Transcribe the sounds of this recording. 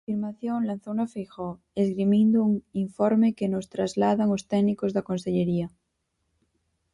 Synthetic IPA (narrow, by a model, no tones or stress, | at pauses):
fiɾmaθjoŋlanθounafejxo | esɣɾimind̪ouŋiɱfoɾmekeno̞st̪ɾazlaðaŋost̪enikozðako̞nseʎeɾia